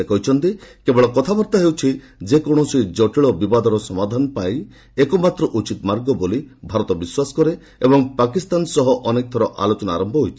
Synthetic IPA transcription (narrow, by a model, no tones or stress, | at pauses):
ekɔɦjt͡ʃʰɔnt̪ikebɔɭɔkɔt̪ʰabɔɾt̪aɦewt͡ʃʰi | d͡ʒekɔɽ̃ɔsujd͡ʒɔʈiɭɔbibad̪ɔɾɔsɔmad̪ʱanɔpaj | ekɔmat̪ɾɔʔut͡ʃit̪maɾɡɔbolibʱaɾɔt̪ɔbiswasɔ̥kɔɾe | ebɔŋpakist̪ansɔɦɔʔɔnek̚t̪ʰɔɾɔʔa̰lot͡ʃɔnaaɾɔmbʱɔɦojt͡ʃʰi̥